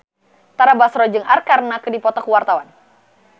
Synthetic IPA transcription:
t̪aɾabasɾɔd͡ʒɨŋarkarnakədipɔt̪ɔkəwart̪awan

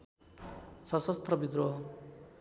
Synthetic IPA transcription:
sʌsʌst̪rʌbid̪ɾoɦ

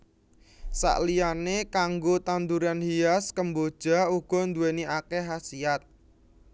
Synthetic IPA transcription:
sa̰ʔlijanekaŋɡot̪and̪uɾanhijaskəmbod̥ʒ̥a̤uɡ̥ɔ̤nd̪ueniakeɦasiat̪̚

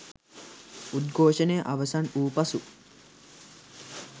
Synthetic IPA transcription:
ud̪̚ɡʱoːʃɐneːʔɐʋɐsɐnuːpɐsu

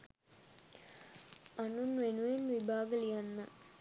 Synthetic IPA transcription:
anunʋenuʋenʋibaːɡəlijanːə

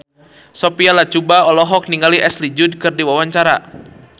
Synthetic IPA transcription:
sopialat͡ʃubaɔlɔɦɔk̚niŋɡaliʔɛslid͡ʒud̚kɨrdiwawaɲt͡ʃaɾa

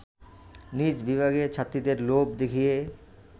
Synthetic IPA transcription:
nid͡ʑbibʱaɡet͡ɕʰat̪ːɾid̪eɾlobd̪ekʰije

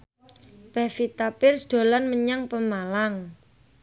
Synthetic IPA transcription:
b̥ɛ̤hfit̪apɪrsd̪̥o̤lanməɲaŋpəmalaŋ

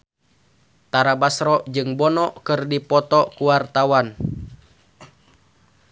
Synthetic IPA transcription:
t̪aɾabasɾɔd͡ʒɨŋbɔnɔkɨrdipɔt̪ɔkuwart̪awan

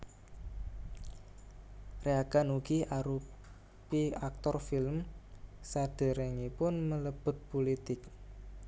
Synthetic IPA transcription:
reaɡ̥anuɡ̥iaɾu | piak̚t̪ɔrfɪlmsaɖ̥ə̤ɾɛŋipʊnmələb̥ʊ̤t̪̚pulit̪ɪk̚

